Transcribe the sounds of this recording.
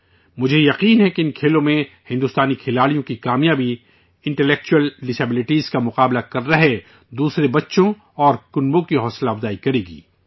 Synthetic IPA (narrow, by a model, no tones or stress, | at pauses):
mʊd͡ʒʱejɐqiːnɦɛkeɪnkʰeːlõmẽ | hɪ̃nd̪ust̪aːnikʰɪlaːɽijõkikaːmijaːbʱi | ɪ̃ɳʈɛlɛːk̚t͡ʃuəlːɪseːbɪlɪʈiːzkamʊqaːblakɐɾːɐɦe | d̪uːsɾebɐtːʃõ | ɔːɾkʊnbõkiɦɔːslaːbzaːikɐɾeːɡḭː